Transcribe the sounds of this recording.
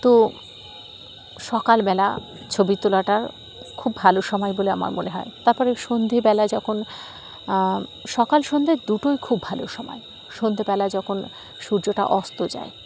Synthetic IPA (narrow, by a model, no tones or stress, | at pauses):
t̪o | ʃɔkalbɛla̰ | t͡ɕʰobit̪olaʈaɾ | kʰubʱaloʃɔmɔebolea̰ma̰ɾmoneɦɔ̰et̪aɾpɔɾeʃond̪ʱebɛlad͡ʑɔkʰon | ʃɔkalʃond̪ʱed̪uʈojkʰubʱaloʃɔmɔ̰e | ʃond̪ʱebɛlad͡ʑɔkʰon | ʃuɾd͡ʑoʈa̰ʔɔst̪od͡ʑa̰e